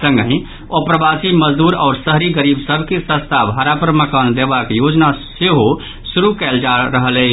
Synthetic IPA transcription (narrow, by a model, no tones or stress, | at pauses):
sə̃ŋɡɦĩ | opɾəbasiməd͡ʒd̪uɾɔ̰ːɾsəɦɾiɡəɾibsəbʱkesə̃st̪ʰabʱaɾapɾəməkənd̪ebakjod͡ʒnaseɦo | suɾukɛld͡ʒaɾəɦəlɛ